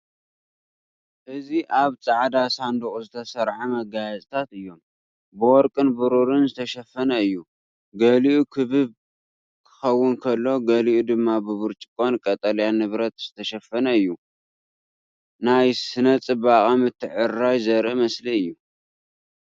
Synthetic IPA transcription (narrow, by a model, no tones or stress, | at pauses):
ʔɨziʔaβt͡sʼaʕd̪asand̪ɨχʼuzɨt̪ʰɐsɐɾʕamɐɡajɛt͡sʼt̪ʰat̪ɨjːo̞m | bɨwɔɾkʼɨnbɨɾuɾɨnzɨt̪ʰɐʃɐfːɐnɐɨjːu | ɡɐliʔukʰɨβɨβ | kʰɨ̥xɐwːʊnkʰɐlːo̞ɡɐliʔud̪ɨmːabɨβɨɾt͡ʃʼɪkʼo̞nkʼɐt̪ʼɐljanɨβɾɐt̪z̥ɨt̪ʰɐʃɐfːɐnɐɨjːu | najsɨnɐt͡sʼɨbakʼamɨt̪ʰːɨʕɨrːajzɐɾʔɨmɐsliɨjːu